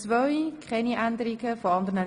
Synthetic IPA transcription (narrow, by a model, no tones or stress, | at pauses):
t͡svœʏkχɛniʔænd̪əɾiɡ̥əfoɑnd̪əʁnə